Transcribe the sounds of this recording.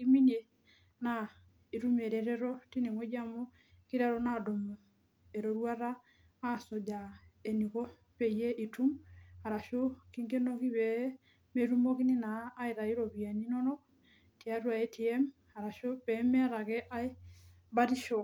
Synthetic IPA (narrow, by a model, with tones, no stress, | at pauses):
i˦mi˦ne˨ | na˨ | i˨ɾu˦mɛ˨ɾɛɾɛɾɔ˦ti˦ni˨ŋwɛ˦d͡ʒa˦mɔ˦ | ki˦ɾa˦ɾɔna˨dɔ˨m | ɛ˨ɾɔ˨ɾwa˦ɾaː˦ | sɔ˨d͡ʒa˨e˨ni˨kɔ˦ | pɛ˨ijɛ˦ʔi˨tu˦ma˨ɾa˨ʃo˦ki˦ŋɡe˦nɔ˦ki˦βɛ˦ | mɛ˨ɾumɔ˦ki˦ni˦naː˨˦iɾa˨i˦ɾɔ˨βia˨ni˦nɔ˦nɔ˦ | ti˨a˦ɾwa˨ɛtʰi˨ɛm | a˨ɾa˨ʃo˦βɛmɛ˦a˨ɾa˨ɣɛ˦ʔa˦i˦ | ba˦ɾi˦ʃɔ˨